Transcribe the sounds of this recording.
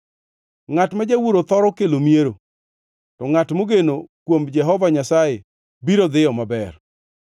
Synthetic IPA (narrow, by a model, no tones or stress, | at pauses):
ŋatmad͡ʒawuɾot̪ɔɾɔkelomieɾo | tɔŋatmoɡenokwomd͡ʒɛɦɔvaɲasaje | biɾod̪ɪɔmabɛr